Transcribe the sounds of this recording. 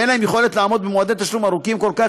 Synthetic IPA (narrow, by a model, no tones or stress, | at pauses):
enlaemjeχo̞let̪laamod̪̚bemoad̪et̪aʃlumaʁukimko̞lka